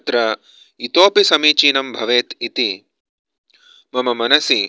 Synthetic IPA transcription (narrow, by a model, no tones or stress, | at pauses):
t̪ɾɐ | it̪oːpisɐmiːt͡ʃiːnɐmbʱɐʋeːt̪it̪i | mɐmɐmɐnɐsi